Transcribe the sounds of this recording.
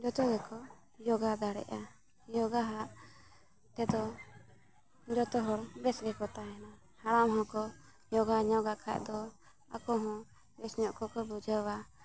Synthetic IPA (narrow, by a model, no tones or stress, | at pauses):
d͡ʒɔt̪ɔɡɛkɔ | jɔɡad̪aɽɛ̰ʔa | jɔɡaɦaʔ | t̪ɛd̪ɔ | d͡ʒɔt̪ɔɦɔɾbɛsɡɛkɔt̪aɛna | haɽamɦɔ̃kɔ | jɔɡaɲɔɡakʰa̰ʔd̪ɔ | a̰kɔɦɔ̃ | bɛsɲɔʔkɔkɔbud͡ʒʱəwa